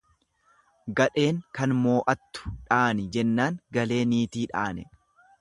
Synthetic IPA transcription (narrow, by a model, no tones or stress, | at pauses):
ɡɐᶑe̞ːŋkɐnmo̞ːʔɐt̪ːʊ̥ᶑaːnɪd͡ʒɛnːaːŋɡɐle̞ːniːt̪iːᶑaːnɛ